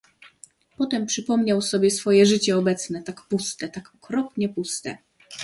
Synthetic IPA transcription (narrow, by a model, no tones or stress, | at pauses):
pɔt̪ɛmpʂɘpɔmɲawsɔbʲjɛsfɔjɛʐɘt͡ɕɛɔbɛt̪snɛt̪akpust̪ɛt̪akɔkɾɔpɲɛpust̪ɛ̰